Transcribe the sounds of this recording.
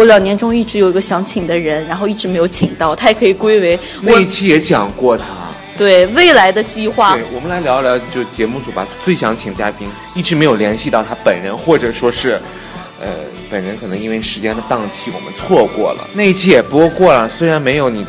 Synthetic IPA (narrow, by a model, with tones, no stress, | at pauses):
wɔ˧˥ljɑ˨˩ŋnjɛ˧˥nʈ͡ʂʊ˥ŋi˥˩ʈ͡ʂɻ̩˧˥jo˨˩ʊi˧˥ɡə˧ɕjɑ˧˥ŋt͡ɕʰi˨˩ŋd̪ə˦ɻə˧˥nɻa˧˥nxo˥˧ʊi˥˩ʈ͡ʂɻ̩˧˥m˧˥ɪjo˧ʊt͡ɕʰi˨˩ŋt̪ɑ˥˩ʊt̪ʰa˥jɛ˨˩kʰɤ˧˥i˨˩kwe˥ɪwe˧˥ɪ | na˥˩˧i˥t͡ɕʰi˥jɛ˧˥t͡ɕjɑ˨˩ŋkwɔ˥˩t̪ʰa̰˥ | t̪we˥˩ɪwe˥˩ɪla˧˥ɪd̪ə˧t͡ɕi˥˧xwa˥˩e˥˩ɪwɔ˨˩mə˦nla˧˥ɪljɑ˧˥ʊljt͡ɕjo˥˧ʊʂt͡ɕjɛ˧˥mu˥˩t͡su˧˥ba̰˨˧˩t͡swe˥˩ɪɕjɑ˧˥ŋt͡ɕʰi˨˩ŋə˧t͡ɕja˥pi˥n | i˥˩ʈ͡ʂɻ̩˧˥me˧˥ɪjo˨˩ljɛ˧˥nɕi˥˧t̪ɑ˥˩ʊt̪ʰa˥pə˨˩nɻə˧˥nxwɔ˥˩ʈ͡ʂɤ˨˩ʂwɔ˥ʂɻ̩˥˩ | ə̰˧ | pə˨˩nɻə˧˥nkʰɤ˨˩nɤ˧˥ŋi˥nwe˥˩ɪʂɻ̩˧˥t͡ɕjɛ˥nd̪ə˨t̪ɑ˥˧ŋt͡ɕʰi˥˩wɔ̰˨˩mə˦nt͡sʰwɔ˥˧kwɔ̰˥˩lə̰˩na˥˧ɪi˥t͡ɕʰi˥˩jɛ˨˩pko˥˧ʊkwɔ˥˩lə˩swe˥ɪɻa˧˥nme˧˥ɪjo˧˥ʊni˨˩d̪ə˦